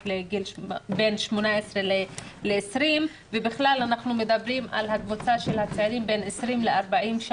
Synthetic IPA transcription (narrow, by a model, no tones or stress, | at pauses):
leɡilbe̞nʃmonaesʁeleleːsɾim | vebiχlalanaχnume̞d̪abʁima̰lhakvot͡saʃe̞lhat͡seaɾimbe̞nesʁimleaʁbaʔimʃ